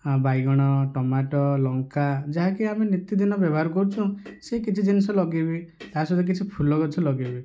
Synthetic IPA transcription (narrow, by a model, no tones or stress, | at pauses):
bajɡɔɽ̃ɔʈɔmaʈɔlɔŋkad͡ʒaɦakiaminit̪ːid̪inɔbjɔbɔɦaɾɔkɔɾut͡ʃʰɔ̃sekit͡ʃʰid͡ʒinisɔlɔɡibit̪aɦasɔd̪ek̬it͡ʃʰipʰulɔkɔt͡ʃʰilɔɡibi